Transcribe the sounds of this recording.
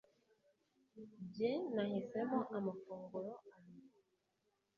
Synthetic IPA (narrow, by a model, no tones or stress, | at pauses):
bjɛnahisɛmɔʔamafoŋɡolɔani